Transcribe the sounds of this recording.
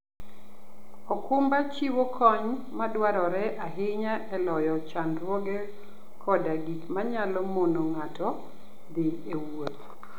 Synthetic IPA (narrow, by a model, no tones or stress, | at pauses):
ɔkʰʊmbat͡ʃiwokʰɔɲ | madwaɾɔɾɛʔaɦɪɲaʔɛlɔjɔt͡ʃandɾwɔɡɛ | kʰɔdaɡitmaɲalɔmonoŋatɔ | d̪ɪ | ewot̪